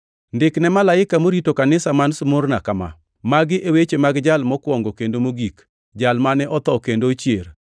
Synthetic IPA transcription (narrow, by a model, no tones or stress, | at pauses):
ndɪknɛmalaɪkamoɾitokanɪsamansʊmʊrnakama̰ | maɡɪʔewet͡ʃemaɡd͡ʒalmɔkwɔŋɡokendomoɡik | d͡ʒalmanɛʔɔt̪ɔkendot͡ʃjer